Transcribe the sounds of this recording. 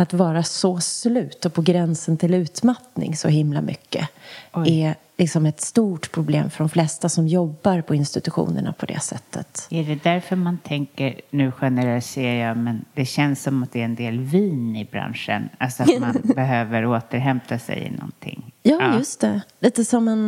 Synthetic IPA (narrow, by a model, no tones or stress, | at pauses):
at̪vɑːɾasɔslʉ̟ːt̪ɔpʰɔɡɾɛnsənt̪ʰɪlʉ̟ːt̪mat̪nɪ̰ŋsɔ̰ɦɪmla̰mʔʏkːə̰ɛ | lɪksɔmɛt̪st̪uːʈpʰɾʊblḛːmfœɖɔmflɛst̪asɔmjɔbːaɾpʰɔɪnst̪ɪt̪ɵɧṵːnə̰ɳa̰pʰɔd̪ɛ̰sɛ̰t̪ʰːə̰t̪æɖɛd̪æɾfœɾmant̪ʰɛŋkəɾnʉ̟ːɧɛnɛɾɛlt̪seːjɑmɛnd̪ɛɕɛnsːɔmat̪̚d̪ɛæɾɛnd̪eːlviːnɪbɾa̰nʂə̰nalsɔat̪nmmanbɛɦøːvəɾoːt̪əɾɦɛmt̪ʰasɛ̰jɪ̰nɔ̰nt̪ʰɪ̰ŋːjɑːjɵst̪ɛliːt̪əsɔmːɛn